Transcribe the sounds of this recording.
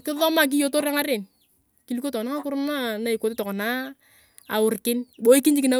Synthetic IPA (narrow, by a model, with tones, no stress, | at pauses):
kɪ˦ðɔ˦ma˨k̬ɪ˦jo˦to˦ɾa˦ŋa˦ɾɪ˨n | ki˦li˦ko˦tɔ˨na˦ŋa˦kʊ˦ɾmna˦na˨i˨ko˨tɪ˦tɔ˨kɔ˨na˦ | a˨ʊ˨rkɪ˦nbo˦i˦ki˦ɲd͡ʒɪ˦kɪ˨na˦